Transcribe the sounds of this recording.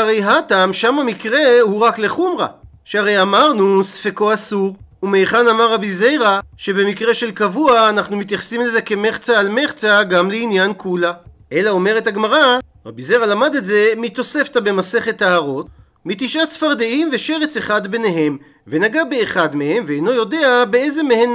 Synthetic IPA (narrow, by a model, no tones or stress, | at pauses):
aʁe̞jɦatamʃamamikʁe̞huʁakleχumʁa̰ | ʃeaʁe̞jamaʁnusfeko̞asuʁ | umejχanamaʁːabize̞jʁaʃe̞be̞mikʁe̞ʃe̞lkavuaːnaχnumit̪jaχsimleze̞ke̞meχt͡saːlme̞χt͡saɡamleinjankʰula | ʔe̞lao̞me̞ʁetaɡmaʁa | ʁabizejʁalamad̪e̞tze̞mit̪o̞se̞ftabe̞mase̞χe̞t̪ːaaʁo̞t | mit̪iʃatsfaʁd̪eimve̞ʃe̞ʁet͡seχad̪bene̞ɦe̞m | ve̞naɡabe̞ːχad̪mehe̞mveejno̞jo̞de̞abeeze̞mehe̞n